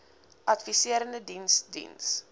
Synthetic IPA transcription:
ʔɐtfisiəɾəndədinsdḭns

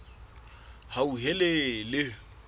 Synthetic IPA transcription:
hauɦɛlelɪ

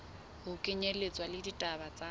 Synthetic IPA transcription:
ɣʊkʼɪɲelet͡sʼwalɪditʼabat͡sʼa

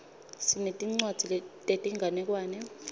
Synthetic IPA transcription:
sinetʼiŋ͡ǀwad̥ʱiltʼetʼiŋɡʱanɛk̬ʼwaːnɛ

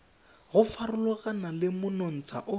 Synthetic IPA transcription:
ɣʊfarʊlɔɣanalɪmʊnon̩t͡sʰa̰ʔʊ

